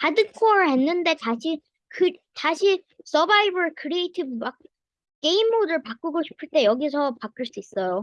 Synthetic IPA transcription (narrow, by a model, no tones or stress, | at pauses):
adɯkʰoɾɭɦe̞nːɯnde̞taɕʰi | kɯtaɕʰi | s͈ʰʌbaibʌɭkʰɯɾiejtʰib̚mak̚ | k͈e̞imːoɾɯɭpak͈uɡoɕʰi̥pʰɯɭt͈e̞jʌɡisʰʌpak͈ɯɭs͈uis͈ʌjo